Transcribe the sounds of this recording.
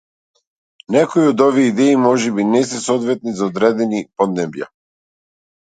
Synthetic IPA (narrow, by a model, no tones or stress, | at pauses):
nɛkoioɔd̪ɔviɛid̪ɛimɔʒɛbinɛsɛsɔd̪vɛt̪nizaɔd̪ɾɛd̪ɛnipɔd̪nɛbja̰